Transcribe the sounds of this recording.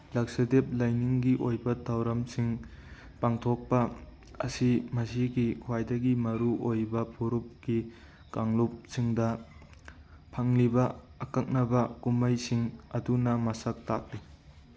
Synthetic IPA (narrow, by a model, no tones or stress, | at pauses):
lɐk̚sɐdep̚lajniŋɡiʔojbɐtʰawɾɐmsiŋ | paŋtʰok̚pɐ̰ː | simɐsiɡikʰwajdɐɡimɐɾuʔojbɐpʰuɾup̚ɡ̥i | kaŋlup̚siŋdɐ | pʰɐŋlibɐːkɐk̚nɐbɐkumɐjsiŋɐdunɐmɐsɐk̚tak̚li